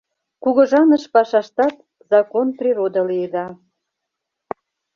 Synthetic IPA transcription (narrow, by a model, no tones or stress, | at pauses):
kuɣɤ̆ʒɑnəʃpɑʃɑʃt̪ɑt̪ | zɑkonprʲiɾod̪əlijed̪ɑ